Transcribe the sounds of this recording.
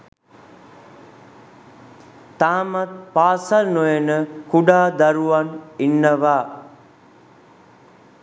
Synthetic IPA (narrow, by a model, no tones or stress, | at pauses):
t̪aːmat̪̚paːsalnojənəkuɖaːd̪aɾuʋaninːəʋaː